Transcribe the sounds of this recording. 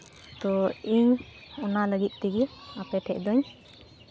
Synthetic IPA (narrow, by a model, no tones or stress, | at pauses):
t̪ɔiɲɔnaləɡit̪̚ˀt̪iɡɛapɛʈʰɛʔd̪ɔɲ